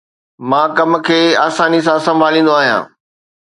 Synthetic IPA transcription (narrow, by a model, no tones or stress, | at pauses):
mãːkɐmkʰeːaːsaːnis̬ãsɐ̃mbʱaːlĩːn̆d̪oaːɦijã̰ː